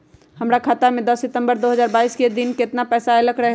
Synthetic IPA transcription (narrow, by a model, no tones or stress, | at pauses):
hɐmɾakʰaːt̪amẽd̪ɐsːɪt̪ə̃mbəɾd̪oːɦəzaːɾbaːiːsked̪ɪnkɪt̪napɛːsaɐləkɾɐɦ